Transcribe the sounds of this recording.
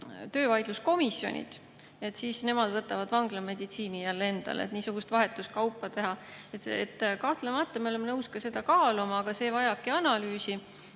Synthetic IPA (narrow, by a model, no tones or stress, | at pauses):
t̪ø̞ːvɑjd̪̥lusko̞misjo̰nʲḭd̪̥ | e̞t̪ːˑsiːsne̞mɑd̪̥vɤt̪ːˑɑvɑd̪̥vɑŋɡ̥lɑme̞d̪it̪siːnijælːe̞nd̪̥ɑ̰lḛt̪niːsuɡ̥ust̪vɑɦet̪ːˑust̪̚kɑwpːˑɑt̪e̞ɦɑet̪ḛt̪ːˑkɑht̪lemɑt̪ːˑɑmeolemːnɤwskɑse̞d̪̥ɑkɑːlumɑːɡ̥ɑse̞ːvɑjɑb̥̚kiɑnɑlyːsi